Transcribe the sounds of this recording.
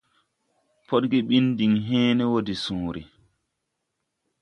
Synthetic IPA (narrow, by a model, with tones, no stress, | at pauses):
pɔ˦t̚ɡɛɓi˦ndi˨ŋɦɛːnɛ˦wodi˨sũːɾi˨